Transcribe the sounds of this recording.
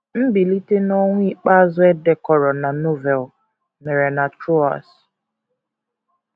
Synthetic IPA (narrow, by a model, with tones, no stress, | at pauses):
m̩˦bi˨li˦te˦nɔ˦ŋʷʊ˦i˦k͡pa˦zʊ˦ɛ˦dɛ˨kɔ˨ɾɔ˨na˨no˦vɛ˨l | me˨ɾe˨na˨tɾo˦a̰˨s